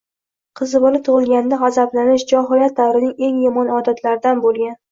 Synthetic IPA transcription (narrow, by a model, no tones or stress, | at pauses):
qʰɨzbolɪt̪ʰʊʁɨlˠɡʲand̪aʁazablanɪʃd͡ʒɒɦɒjat̪̚d̪awɾɪnɪŋe̞ŋjɒmɒnɒd̪at̪ʰlaɾɪd̪anbolˠɡʲan